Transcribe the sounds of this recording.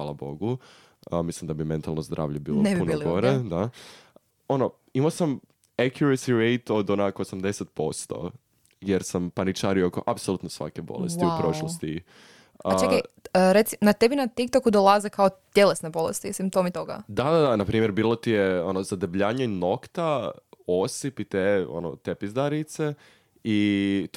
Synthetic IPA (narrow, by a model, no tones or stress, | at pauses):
xʋaːlˠabo̞̰ɡu | mislimd̪abime̞nt̪alˠnozd̪ɾa̰ːʋʎebḭːlonebpiunolɡoɾed̪a | o̞no | imasam | akjuɾesiɾejt̪o̞d̪onakoosamd̪e̞set̪̚po̞st̪o̞̰ | jeɾsampanit͡ʃaːɾiokoʔapsolut̪nosʋa̰kebo̞̰lessiupɾo̞ʃlˠost̪i | əat͡ʃekaɾet̪si̥nat̪ebinat̪ik̚t̪okud̪olˠazekaot̪jelesnebo̞lḛst̪isimpt̪o̞mit̪oɡa̰d̪ad̪ad̪anapɾiːmjeɾbiːlˠot̪ijeo̞nozad̪ebʎaːɲaino̞kt̪aosipit̪eo̞̰no̰t̪epizd̪aɾit̪se | i